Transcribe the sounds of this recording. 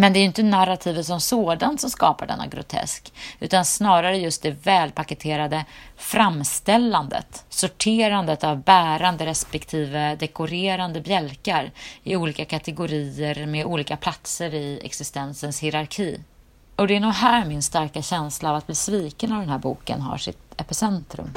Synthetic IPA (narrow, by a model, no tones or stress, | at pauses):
mɛnd̪ɛæɾjʏɪnt̪ənaɾat̪ʰiːvət̪sɔmsoːd̪ant̪sɔmskɑ̰ːpaɖɛ̰nːa̰ɡɾʊ̰t̪ʰɛ̰skʉ̟ːt̪ansnɑːɾaɾəjɵst̪̚d̪ɛvɛːlpʰakət̪ʰeːɾad̪əfɾamːst̪ɛlːand̪ə̰t̪sʊʈʰeːɾand̪ət̪avbæːɾand̪əɾɛspɛkt̪ʰiːvəd̪ɛkʊɾeːɾand̪əbjɛlkaɾɪuːliːkakʰat̪ɛɡʊɾiːəɾmeuːliːkapʰlat̪səɾɪɛ̰ksɪst̪ɛnsənshɪɾaɾkʰiː | ɔd̪ɛæɳuːɡɦæːɾmɪnst̪aɾkaɕɛnslaːvat̪̚bliːsviːkənavd̪ɛnɦæːɾbṵːkə̰nɦa̰ʂɪ̰t̪ɛpɪsɛnt̪ɾɵ̰m